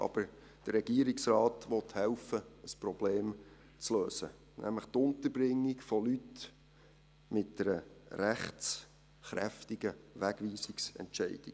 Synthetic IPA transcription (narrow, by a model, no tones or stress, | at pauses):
ʔɑ̰b̥əɾ | d̥əɾɾɛɡ̥iəɾiksrɑːtʋɔt̪hɛlfəəsprɔb̥leːm | t͡sløːsə̰ | nʔæ̰mləχt̪ʊnt̪əɾbɾɪŋːikfɔlyt | mɪt̚d̥ɛɾəɾæχt͡s | χɾæ̰ftɪɡəʋæɡ̥ʋiːsiksɛ̰ntʃɛɪd̥i